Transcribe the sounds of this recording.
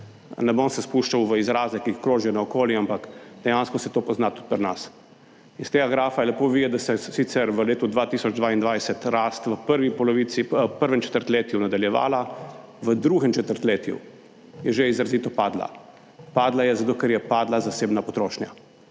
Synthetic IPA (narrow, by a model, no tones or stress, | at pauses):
nɛbonsɛspuʃt͡ʃawʋəizɾaːzɛkiːxkɾoːʒiɛnaɔkoːljiampakd̪ɛjaːnskɔsɛt̪oːpɔznat̪u̥t̪̚pɾnas | inst̪eːɡaɡɾaːfajɛlɛpoʋid̪ɛd̪asɛsit̪sɛɾʋəleːt̪ud̪ʋaːt̪iːsɔd͡ʒd̪ʋaind̪ʋajsɛt̪ɾaːst̪ʋəpəɾʋipɔlɔʋit̪sipəɾʋɛmt͡ʃɛ̥t̪əɾt̪leːt̪junad̪aljɛʋa̰ːla | ʋəd̪ɾuɡɛmt͡ʃɛt̪əɾt̪leːt̪jṵ | jɛʒeizɾaziːt̪ɔpaːd̪la̰ | paːd̪lajɛzat̪oːkɛɾjɛpaːd̪lazaseːbnapɔt̪ɾoːʃnʲja̰